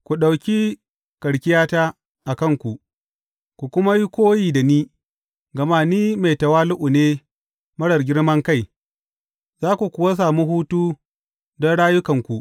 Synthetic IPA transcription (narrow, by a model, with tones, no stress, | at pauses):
kʷu˨ɗa˨wkʲi˦ | kɐ˨ɽkʲɪ˦jaː˦taː˦ | ʔa˨kɐ˦ŋkʷu˨ | kʷu˨kʷʊ˦ma˦ji˦kʷoː˦jiː˨da˨niː˦ | ɡɐ˨maː˦niː˦ma˨jtɐ˨waː˦lʊ˦ʔʊ˨neː˦ | mɐ˦ɽɐ˨rɡʲɪ˦ɽmɐ˦ŋka˦˨j | zaː˦kʷu˨kʷʊ˨wa˦s̬aː˨mu˦ɦuː˦tuː˦ | dɔ˦nɽaː˦jʊ˦kɐ˨ŋkʷu˨ʔ